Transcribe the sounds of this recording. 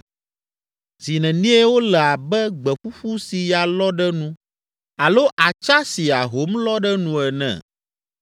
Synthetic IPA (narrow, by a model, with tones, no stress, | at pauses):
z̥i˨nɛ̃˨nĩ˦ɛ˦wo˦lɛ˨a˨bɛ˦ɡ͡bɛ˨ɸu˦ɸu˦si˨ja˨lɔ˦ɖɛ˦nũ˦ | a˨lo˦ʔa˨t͡ʃa˦si˨a˨ɦo˨˦mlɔ˦ɖɛ˦nũ˨ɛ˨nɛ̰̃˨